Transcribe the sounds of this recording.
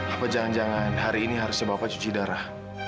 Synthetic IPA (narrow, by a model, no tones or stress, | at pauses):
apad͡ʒaŋand͡ʒaŋanɦaɾiːniɦaɾʊssəbapat͡ʃut͡ʃidaɾah